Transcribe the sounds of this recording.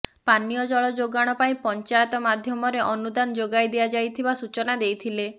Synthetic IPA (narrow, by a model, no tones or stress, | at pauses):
panijɔd͡ʒɔɭɔd͡ʒoɡaɽ̃ɔpaĩpɔnt͡ʃajɔt̪ɔmad̪ʱjɔmɔɾeʔɔnud̪and͡ʒoɡajd̪ijad͡ʒajt̪ʰibasut͡ʃɔnad̪ejt̪ʰile